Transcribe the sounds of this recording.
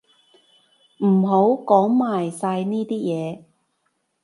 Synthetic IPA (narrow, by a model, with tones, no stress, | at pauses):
m̩˨˩ɦo˨˥wkɔː˨˥ŋmaː˨˩jsaː˧jniː˥t̪iː˥jɛː˨˧